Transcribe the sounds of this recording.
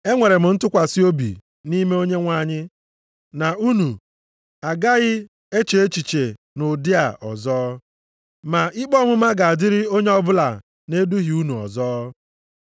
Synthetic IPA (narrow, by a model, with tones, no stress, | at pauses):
e˦ŋʷe˨ɾe˨m̩˨n̩˦tʊ˦kʷa˨sɪ˦o˦bḭ˨ | ni˦me˦o˦ɲe˦ŋʷa˦˨ɲɪ˦ | na˨u˦nu˨ | a˨ɡa˦ɣɪ˦ | e˦t͡ʃe˨e˦t͡ʃi˨t͡ʃe˨ | nʊ˨dɪ˦a̰˨ʔɔ̰˨zɔː˦ | ma˨ɪ˦k͡pɔ˦mʊ˦ma˦ɡa˨a˨dɪ˦ɾɪ˦o˦ɲe˦ɔ˦bʊ˦la˨ | ne˦du˦ɦi˨u˦nu˨ɔ̰˨zɔː˦